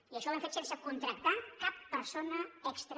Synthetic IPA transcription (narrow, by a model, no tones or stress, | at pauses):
iəʃɔβãɱfet̪sensəkunt̪ɾək̚t̪akapːəɾsonəəkst̪ɾ